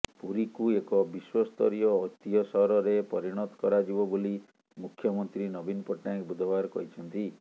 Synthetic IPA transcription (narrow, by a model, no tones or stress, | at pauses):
puɾikuekɔbiswɔst̪ɔɾijɔːt̪iɔsɔɦɾɔɾepɔɾiɽ̃ɔt̪ɔ̥kɔɾad͡ʒibɔboli | mukʰjɔmɔnt̪ɾinɔbinɔpɔʈnakbud̪ʱɔbaɾɔkɔ̰it͡ʃʰɔnt̪i